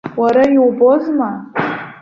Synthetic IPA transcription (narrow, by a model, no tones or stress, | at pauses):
waɾajowbozma